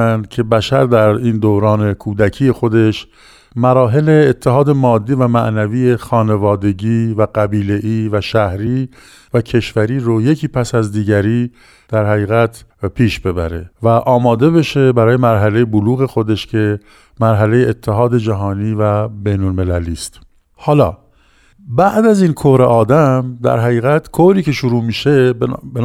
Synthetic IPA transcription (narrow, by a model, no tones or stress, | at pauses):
ænd̪̚kcʰe̞bæʃæɾd̪æɾiːnd̪oɾɒːne̞kʰuːd̪æcʰiːje̞xo̞d̪e̞ʃ | mæɾɒːɦe̞le̞ːt̪ʰːeɦɒːd̪e̞mɒːd̪ːiːvæmæʔnæviːje̞xɒːne̞vɒːd̪e̞ɟiːvæɡæbiːle̞ʔiːvæʃæhɾiː | væcʰe̞ʃvæɾiːɾoje̞cʰiːpʰæsæzd̪iːɟæɾiː | d̪̥æɾɦæɣiːɣæt̪ʰpʰiːʃbe̞bæ̰ɾe̞̰væʔɒːmɒːd̪e̞βe̞ʃe̞bæɾɒːje̞mæɾɦæle̞jeboluːɣe̞xo̞d̪e̞ʃcʰe̞ | mæɾɦæle̞jeʔːt̪ʰːeɦɒːd̪e̞d͡ʒæɦɒːniːvæbejnolme̞læliːst̪ | hɒːlɒː | bæʔd̪æzinkʰohɾeʔɒːd̪æmd̪æ̰ɾɦæɣiːɣæt̪kʰohɾiːce̞ʃoɾuːmiːʃe̞b